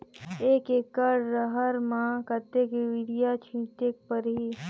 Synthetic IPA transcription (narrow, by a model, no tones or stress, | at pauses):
eːkeːkːəɾːəɦəɾmãkət̪ekeʋɪɽijat͡ʃʰĩːʈek̚pəɾɦiː